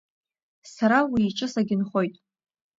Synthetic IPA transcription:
saɾawiːʈ͡ʂʼɨsaɡʲɪnχo̞jtʼ

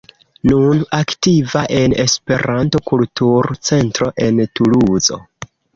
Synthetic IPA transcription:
nunaktivaʔe̞ne̞spe̞ɾʔanto̞kultuɾt͡se̞ntɾo̞ʔe̞ntuluzo̞̰

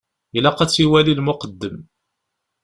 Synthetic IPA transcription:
ilæqɑt͡sːiwælilmʊqəd̪ːəm

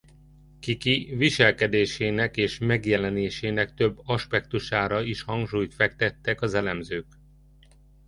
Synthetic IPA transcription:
kikiviʃɛlkɛd̪eːʃeːnɛkeːʃmɛɡjɛlɛneːʃeːnɛkt̪ø̞bːɒʃpɛkt̪uʃaːɾɒiʃhɒŋɡʃuːjt̪fɛk̚t̪ɛt̪ːɛkɒzɛlɛmzøːk

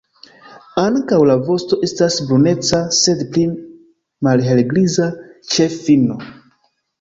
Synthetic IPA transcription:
aŋkawlavo̞sto̞ʔe̞stasbɾune̞t͡sase̞dpli | malɦe̞lɡlizat͡ʃe̞fino

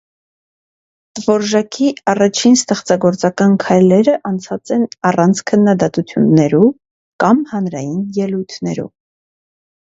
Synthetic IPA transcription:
t̪vɔɾʒɑkʰiɑrɑt͡ʃʰinst̪ɛχt͡sɑɡɔɾt͡sɑkɑnkʰɑjlɛɾəʔɑnt͡sʰɑt͡sɛnɑrɑnt͡sʰkʰənːɑd̪ɑt̪ut͡sʰjunːɛɾu | kɑmhɑnɾɑjinjɛlujt̪ʰnɛɾṵ

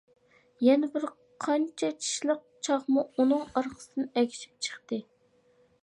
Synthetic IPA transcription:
jɛnɪbɪɾ | qʰɑnt͡ʃʰɛt͡ʃʰi̥ʃlˠəq̚t͡ʃʰɑʁmuunɨŋɑɾqʰə̥sɨnɪɛkʲʰi̥ʃi̥p̚t͡ʃʰə̥χt̪ɨ

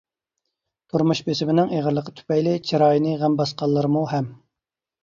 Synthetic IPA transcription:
t̪ʰuɾmuʃbesɪbɪnɪŋeʁəɾlˠəqʰːət̪ʰy̥pɛjlɪt͡ʃʰiɾɑːjnɨʁæmbɑsqɑlˠːɨɾɨmuɦɛm

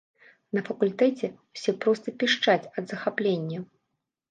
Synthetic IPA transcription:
nɐfɐkulʲt̪ɛt͡sʲɛwsʲɛpɾɔst̪ɐpʲiʂt͡ʂat͡sʲɐd̪zɐxaplʲenʲːɐ

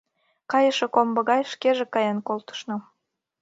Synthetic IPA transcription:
kɑjəʃekombɤ̆ɣɑjʃkeʒekɑjɑnkolt̪ə̥ʃnŏ

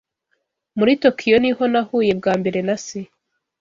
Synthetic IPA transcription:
muɾito̞kʰijo̞niho̞nahuːje̞b̚ɡaːmbe̞ɾe̞nase

